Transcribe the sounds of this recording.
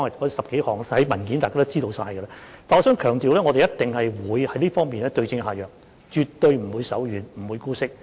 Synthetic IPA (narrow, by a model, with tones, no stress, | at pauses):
ɔ˥ŋɐ˨kɔː˨˥sɐ˨p̚ke˨˥jhɔː˨ŋ˥hɐ˨˥jmɐ˨˩nkiː˨˥nt̪aː˨kaː˥t̪t͡siː˥t̪o˧wsaː˧jə˧la˧t̪aː˨nɔ˧sœː˨˥ŋkʰœː˨˩ŋt̪iː˨wlɛː˥ŋɔ˨˧ɾe˨jɐ˥t̪ɪ˨ŋhɐ˨jwuː˨˧jhɐ˨˥jliː˥fɔː˥ŋmiː˨nlɛː˥t̪ɵ˧ɥt͡sɪ˧ŋɦaː˨jœː˨k̚ | t͡ʃyː˨t̪ːɵ˧ɥm̩˨˩wuː˨˧jsɐ̰˨˥wjyː˨˩nm̩˨˩wuː˨˧jkuː˥sɪ˥k̚